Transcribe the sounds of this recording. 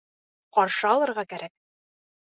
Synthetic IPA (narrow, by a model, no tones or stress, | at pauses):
qɒɾʃɤɒlˠɤ̆ɾʁɑkæɾæk̚